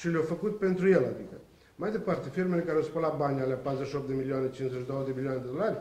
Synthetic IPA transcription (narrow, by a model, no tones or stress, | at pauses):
ʃileawfəkut̪̚pe̞nt̪ɾujela̰d̪ikə | majd̪e̞part̪e̞firme̞lekaɾeawspəlat̪̚banʲaleapat̪ɾuzeʃiopt̪d̪emilioanet͡ʃinszeʃʲid̪owod̪emilioaned̪e̞d̪o̞larʲ